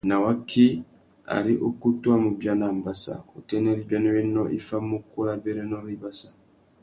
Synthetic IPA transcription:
na˨wa˦kʰːi˦ | a̰˨ɾi˦ʔo˦ku˦tu˦a˦mu˨bja˦na˨mba˦sa̰˨o˨tɛ˦nɛ˦ɾi˦bja˦nɔ˦jɛ˦nːɔ˦ʔi˦fa˦mːo˦ko˦ɾa˦bɛ˦ɾɛ˦nɔ˦ɾi˦ba˦sḁ˨

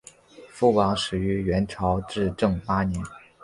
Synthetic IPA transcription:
fu˥˩wɑ˧˥ŋʂɻ̩˨˩y˧˥ɥɛ˧˥nʈ͡ʂʰɑ˧˥ʊʈ͡ʂɻ̩˥˧ʈ͡ʂɤ˥˩ŋpa˥nɛ˧˥n

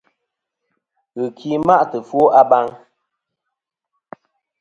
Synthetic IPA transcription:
ɣɨ˨kʰi˦ma˦ʔtɨ˨fwo˦ʔa˦ba˦ŋ

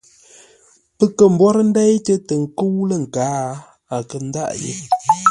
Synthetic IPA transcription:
pə˦kə˨m̩˦bwɔ˦ɾə˦n̩˦da˦jtə˦tə˨ŋ̩˨kə˦wlə˦˨ŋ̩˨kaː˨˦ | a˨kə˨n̩˦da̰˦ʔjḛ˦

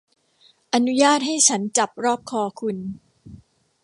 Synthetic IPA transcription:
ʔa˧nu˦˥jaː˥˩t̪̚ha˥˩jt͡ɕʰa˦˥nt͡ɕa˨˩p̚ɾɔː˥˩p̚kʰɔː˧kʰu˧n

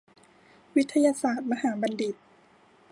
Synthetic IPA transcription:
wi˦˥t̪ʰːa˧jaː˧saː˨˩t̪̚ma˧ɦaː˩˦ba˧ndi˨˩t̪̚

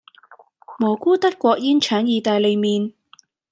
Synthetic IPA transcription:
mɔː˨˩kuː˥t̪ɐ˥t̚kːʷɔː˧k̚jiː˥nt͡ʃʰœː˨˥njiː˨˧t̪aː˨jle˨˧jmiː˨˧n

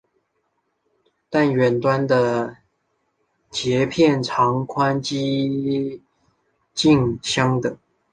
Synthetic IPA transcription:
t̪a˥˩nɥɛ˨˩nt̪wa˦nd̪ə˨ | t͡ɕjɛ˨˦pʰjɛ˥˨nʈ͡ʂʰɑ˨˦ŋkʰwa˦nt͡ɕi˦ | t͡ɕi˥˧ŋɕjɑ˦ŋd̪ə˨˩

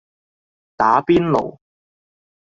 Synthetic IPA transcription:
t̪aː˨˥piː˥nlo̰˨˩w

